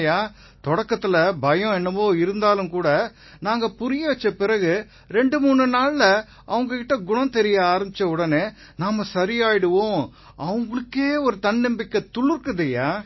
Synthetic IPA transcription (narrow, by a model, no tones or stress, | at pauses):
jaː | t̪ɔɽɐkːɐt̪ːɯlɐbɐjɔ̃ɛnːɐmoːɪɾɯnd̪aːlɯmkuːɽɐ | naːŋɡɐpʊɾɪjɐʋɐt͡ʃːɐpɪɾɐɣɯ | ɾɛɳɖɯmuːɳrɯnaːɭːɐ | ɐʋɐŋɡɐkɪʈːɐɡʊnɐ̃t̪ɛɾɪjɐaːɾɐmbɪt͡ʃːɐʊɽɐneː | naːmɐsɐɾɪjaːjɪɽɯʋõː | ʔɐʋɐŋɡɐɭɯkːeːɔɾɯt̪ɐɳːɛmbɪkːɐt̪ʊɭɯɾɯkːɐðɐjaː